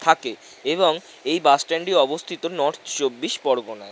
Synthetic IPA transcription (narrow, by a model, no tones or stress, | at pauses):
t̪ʰake | eβoŋ | ejbasʈeɳɖiɔbost̪ʰit̪onɔʈt͡ɕobːiʃpɔɾbonae